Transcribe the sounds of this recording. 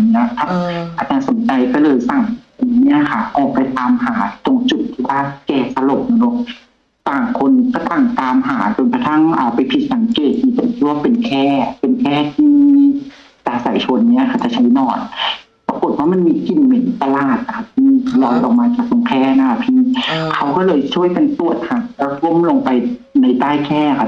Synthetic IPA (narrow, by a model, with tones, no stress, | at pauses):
ni˧˥˧k̪ʰa˧˥pʔa˨˧˩t͡ɕaː˧˩so˨˦nt͡ɕa˧jkɔː˥˩lɤː˧jsa˨˩ŋ | a˨˧˨nːi˦˥ɐ˨˧kʰa˧˩ʔɔː˨˩k̚pa˧jt̪aː˧mhaː˩˦t̪o˧ŋt͡ɕu˨˩t̪ʰːiː˧waː˧˥˩kɛː˧˩sa˧lo˨˩p̚na˧no˧˦ | saː˨˩ŋkʰo˧nsa˧t̪a˨˩ŋt̪aː˧mɦaː˨˩˦t͡ɕo˨˧˨npʰa˧t̪ʰa˧˥˩ŋʔaː˨˩pa˨jpʰi˧˩t̪̚sa˨˦ŋkeː˨˩t̪̚siː˧˩t̪o˨˩ŋt̪ʰiː˧˩waː˧pe˨nkʰɛː˧˥˩pe˧˨nkʰɛː˥˩t̪ʰiː˥ | taː˧sa˨˦jt͡ɕʰo˧nːi˦˥ɐ˨kʰa˧˩t͡ɕa˧˩t͡ɕʰa˧˦˥jnɔː˧˩n̚ | pa˧ko˨˩t̪̚waː˥ma˧˨nmiː˧ki˨˩nme˨˦nt̪a˧laː˨˩t̪̚na˦˧kʰa˧˩p̚pʰiː˧˥lɔː˧jʔɔ̰˨k̚maː˧t͡ɕaː˨˩k̚to˧ŋkʰɛː˧˥˩na˧˥kʰa˧˩pʰiː˧˥˩kʰa˦˥wkɔː˥˩lɤː˧jt͡ɕʰu˥˩əjka˧nt̪u˨˩ət̪̚haː˨˩˧ko˧˥˨mlo˧ŋpa˧j | na˧jt̪aː˥˩jkʰɛː˥˩˧kʰa˧˩